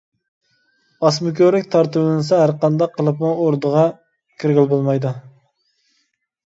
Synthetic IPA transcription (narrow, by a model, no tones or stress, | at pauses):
ɑsmʊkʲøɾlɪkʲt̪ʰɑɾt̪ɨblˠɨnɨsɑɦæɾqɑnd̪ɑqʰːəlˠɨpmuoɾd̪əʁɑ | kʲʰiɾɡʲilbolˠmɑjd̪u